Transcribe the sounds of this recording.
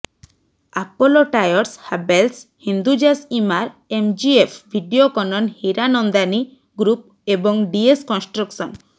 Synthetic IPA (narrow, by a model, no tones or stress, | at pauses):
apɔloʈajɔɾshabelshind̪ud͡ʒasimaɾemd͡ʒiepʰbʱiɖiokɔnɔnhiɾanɔnd̪ani | ɡɾup̚ | ebɔŋɖieskɔnsʈɾɔksɔn